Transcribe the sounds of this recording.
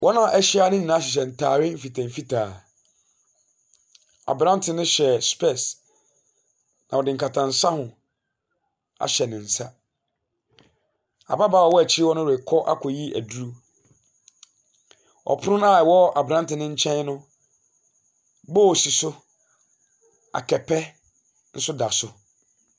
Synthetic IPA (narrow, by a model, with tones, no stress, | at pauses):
wʔɔ˦nã˦ʔɛ˦ɕɪ˦a˦nʊ̃˦ɲĩ˨nãː˨˦ɕ̬ɛ˨ɕ̬ɛ˨n̩˨tʰaː˨ɥɪ˦m̩˦fi˨tʰã˨m̩˨fi˦tʰaː˨ | a̰˨bɾã˦n˦tʰɪ˨nʊ̃˦ɕɛ˨spʰɛ˦˨s | nã̰˨wɔ˨dɪ˨ŋ̩˨ka˨tʰã˨n̩˨sa˦hʊ̃˨ | a̰˨ɕɛ˨nɪ̃˨n̩˨sa˦ | a̰˨ba˦baː˦˨ɔ˨wɔ˦æ˨t͡ɕʰi˦ɾɪ˦wɔ˦nʊ̃˦ɾɛ˨kʰɔ˦ʔa̰˦kʰɔ˨ji˦ʔæ˨du˦ɾu˦ | ɔ̰˨pʰʊ˦ʊ˦nã˦˨wɔ˦a˨bɾã˦n˦tɪ˨nɪ̃˦ɲ̩˦t͡ɕʰɛ̃˦n˦nʊ̃˦ | bɔ˦˨si˨sʊ˦ | a̰˨kʰɛ˨pʰɛ˦ | n̩˦sʊ˦da˨sʊ˨